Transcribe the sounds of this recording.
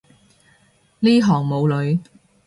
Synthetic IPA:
liː˥ɦɔː˨˩ŋmo˨˧wlɵ˨˧ɥ

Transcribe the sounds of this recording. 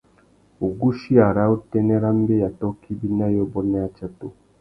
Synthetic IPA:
o˨ɡu˦ʃi˦a˨ɾa˦u˦tɛ˦nɛ˦ɾa˦m˦be˦ja˨tɔ˦kʰi˦bi˦na˦jɔ˦bɔ˦nɛ˦a˦t͡ʃa˦to˨

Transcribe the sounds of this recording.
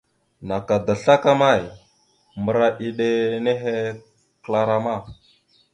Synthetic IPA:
na˨ka˨da˨ɬa˦ka˦ma˦˨j | mə˨ɾa˦ʔi˦ɗe˦ne˦ɦe˦ | kla˨ɾa˦ma˦˨

